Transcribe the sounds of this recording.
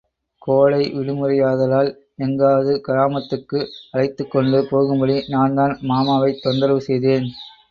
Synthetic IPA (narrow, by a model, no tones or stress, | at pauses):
koːlɐɪʋɪɽɪmɯrɐjaːðɐlaːl | ɛŋɡaːðɯkɐɾaːmɐt̪ːɯkːɯɐlɐɪt̪ːɯkːɔɳɖɯpoːɣɯmbɐɽinaːnd̪aːnmaːmaːʋɐɪt̪ːɔnd̪ɐɾʋɯsɛjðeːn